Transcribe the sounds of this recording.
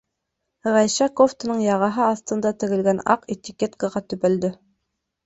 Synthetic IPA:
ʁæjʃækoft̪ə̆nɤɴjɑʁɑɦɤɑθt̪ɤ̆nd̪ɑt̪ɘ̆ɡɘ̆lɡænɑ̰qet̪ʲikʲet̪kəʁɑt̪ɵ̆pæld̪ɘ

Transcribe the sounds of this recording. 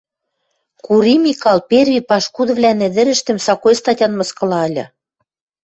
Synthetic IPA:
kuɾimikɑlperβʲipɑʃkud̪ɤ̆βlʲænɘ̆d̪ɘ̆ɾɘ̆ʃt̪ɘ̆msɑkojst̪ɑtʲɑnmɤ̆skɤ̆lɑɤlʲɤ̆

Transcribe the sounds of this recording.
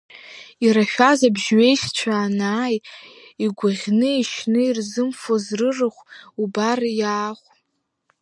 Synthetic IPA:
iɾaʃᶣazabʒɥe̞jʃt͡ʃʷʰaːnaːj | iɡʷaʁʲnɨiʃnɨirzɨmfozrɨrɨχʷubarjaːχʷ

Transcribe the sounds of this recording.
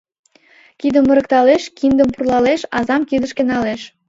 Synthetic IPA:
kid̪ə̆mːə̆ɾə̆kt̪ɑleʃkind̪ə̆mpurlɑleʃɑzɑmkid̪ə̆ʃkenɑleʃ

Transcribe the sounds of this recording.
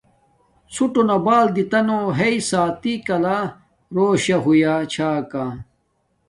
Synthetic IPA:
suʈonɐbaːld̪it̪ɐnoɦeisaːt̪ikɐla | ɾoːɕaɦujat͡ɕʰaːka

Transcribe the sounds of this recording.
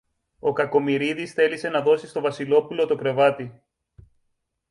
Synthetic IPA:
o̞kɐko̞miɾiðisθe̞lise̞nɐðo̞sist̪o̞vɐsilo̞pulo̞t̪o̞kɾe̞vɐt̪i

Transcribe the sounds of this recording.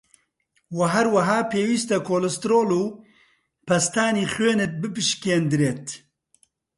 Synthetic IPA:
wɐɦɐɾwɐɦaːpeːwiːst̪ɐkʰoːlɛst̪ɾoːluː | pʰɐst̪aːniːχweːnɨt̪̚bɨpɨʃkeːnd̪ɨɾeːt̪

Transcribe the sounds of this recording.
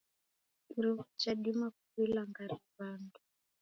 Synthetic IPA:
iɾifut͡ʃaɗimakuβilaŋɡaɾiβandu

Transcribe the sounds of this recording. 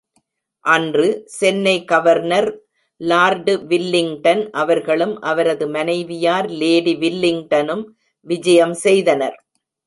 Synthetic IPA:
ʔɐndrɯsɛnːɐɪkɐʋɐɾnɐɾ | laːɾɖʋɪlːɪŋʈɐnʔɐʋɐɾɣɐɭɯmʔɐʋɐɾɐðɯmɐnɐɪʋɪjaːɾleːɽiʋɪlːɪŋʈɐnɯm | ʋɪd͡ʒɐjɐmsɛjðɐnɐɾ

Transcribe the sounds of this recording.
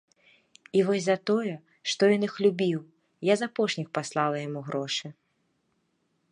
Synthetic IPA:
ivɔsʲzɐt̪ɔjɛ | ʂt̪ɔjɔnɨxlʲubʲiw | jazapɔʂnʲixpaslˠalˠɐjamuɣɾɔʂɨ

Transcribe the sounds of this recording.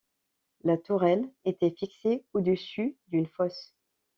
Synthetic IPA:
lat̪uʁɛlet̪ɛfikseod̪əsyd̪ynfɔs

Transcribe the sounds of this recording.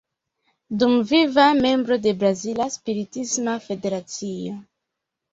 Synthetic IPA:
dumvivame̞mbɾo̞de̞bɾazilaspiɾitismafe̞de̞ɾat͡sio̞

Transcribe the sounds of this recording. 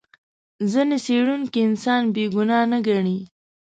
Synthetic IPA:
zəneseɽunkiɪnsɑnbeɡʊnɑnaɡaɳi

